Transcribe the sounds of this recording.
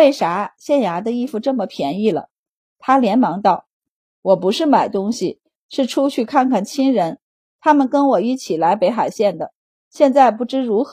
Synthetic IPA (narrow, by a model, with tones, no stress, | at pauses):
e˥˩ɪʂa˧˥ɕjɛ˥˩nja˧˥d̪ə˧i˥˩fu˧ʈ͡ʂɤ˥˩mə˩pʰjɛ˧˥ni˥˩lə̰˩ | t̪ʰa˥ljɛ˧˥nmɑ˧˥ŋt̪ɑ˥˩ʊ | wɔ˨˩pu˧˥ʂɻ̩˥˩ma˨˩ɪt̪ʊ˥ŋɕi˨˩ | ʂɻ̩˥˩ʈ͡ʂʰu˥t͡ɕʰy˥˧kʰa˥˧nkʰa˥˩nt͡ɕʰi˥ŋɻə˧˥n | t̪ʰa˥mə˨nkə˥nwɔ˨˩i˥˩t͡ɕʰi˨˩la˧˥ɪpe˧˥ɪxa˨˩ɪɕjɛ˥˩nd̪ə˩ | ɕjɛ˥˧nt͡sa˥˧ɪpu˥˩ʈ͡ʂɻ̩˥ɻu˧˥x